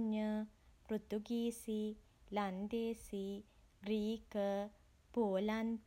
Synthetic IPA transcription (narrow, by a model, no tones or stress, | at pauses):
ɲːəpɾut̪uɡiːsi | lɐnd̪eːsi | ɡɾiːkə | poːlant̪